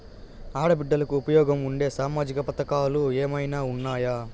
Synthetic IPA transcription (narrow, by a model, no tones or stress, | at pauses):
aːɽɐbiɖːɐlɐkuupɐjɔːɡɐmuɳɖe̞ːsaːmaːd͡ʒikɐpɐt̪ɐkaːlueːmɐjnaːunːaːjaː